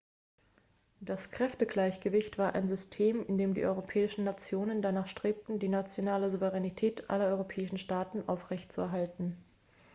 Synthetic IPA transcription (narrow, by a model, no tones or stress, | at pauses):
d̥askʁ̥ɛftəɡlaɪçɡ̥əvɪçtv̥aːɐʔa̰ɪnzʏstʰeːmɪndeːmdḭʔɔʏʁopʰɛːɪʃn̩nat͡sjoːnəndanaːχʃtʁ̥eːp̚tn̩diːnat͡sjonaːləzuvəʁɛnitʰɛːtʔa̰lɐɔʏʁopʰɛːɪʃn̩ʃtaːtn̩ʔaʊfʁ̥ɛçtt͡suɛ̰ɐɦaltn̩